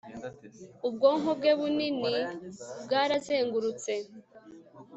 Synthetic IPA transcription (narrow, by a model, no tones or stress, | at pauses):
ub̚ɡo̞ːŋɦob̚ɡe̞βuninibɡaːɾazeːŋɡuɾut͡se̞